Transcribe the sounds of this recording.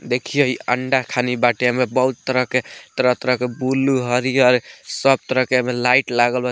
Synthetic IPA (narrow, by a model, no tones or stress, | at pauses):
d̪ekʰijeiəɳɖakʰanibaʈjamebəɦut̪t̪ːəɾəɦket̪əɾət̪əɾəkebuluɦəɾiɔɾsəb̚t̪əɾəɦkemelaiʈlaɡəlbə